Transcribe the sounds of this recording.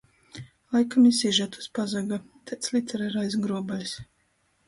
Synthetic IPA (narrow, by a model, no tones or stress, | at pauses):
lˠajkamisiʒat̪u̥spazaɡa | t̪ɛt̪slʲˠit̪ʲɛɾaɾajs̬ɡɾuɔbalʲis